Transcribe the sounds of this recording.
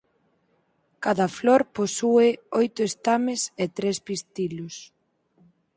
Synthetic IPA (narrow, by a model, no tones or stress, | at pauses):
kaðɐfloɾposueojt̪ʊest̪ameset̪ɾespist̪ilʊs